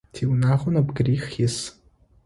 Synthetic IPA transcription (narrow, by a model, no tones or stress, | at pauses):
tʰiwnaʁʷʊnabɡʲriχɪs